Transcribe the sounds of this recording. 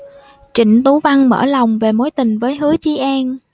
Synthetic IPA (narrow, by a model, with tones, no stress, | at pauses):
t͡ɕi˧˥ŋ̟t̪u˨˦va˧ŋmə̰ː˧˩la˨˩wŋ͡mve˨˩mo˨˦jt̪ï˨˩ŋ̟vəː˨˦jɦɨ˨˦ət͡ɕi˧˦ʔɛ˧n